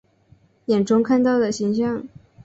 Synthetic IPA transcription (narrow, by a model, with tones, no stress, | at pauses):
jɛ˨˩nʈ͡ʂʊ˥ŋkʰa˥˧nt̪ɑ˥˩ʊd̪ə˩ɕi˧˥ŋɕjɑ˥˩ŋ